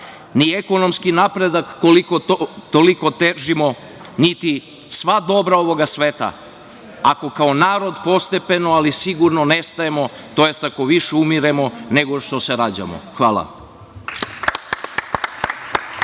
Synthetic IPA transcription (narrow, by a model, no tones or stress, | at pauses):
nieko̞no̞mskinapɾe̞d̪akːolikot̪oliko̞t̪eʒimo̞ | nit̪i | sʋad̪o̞bɾao̞ʋo̞ɡasʋeːt̪a̰ | ako̞kaonaːɾo̞d̪po̞st̪e̞pe̞noalisiɡuɾnone̞st̪aemo̞ | t̪o̞je̞st̪ako̞ʋiʃeumiɾemo̞ne̞ɡo̞ʃt̪o̞se̞ɾad͡ʑa̰mo̰xʋaːlˠa̰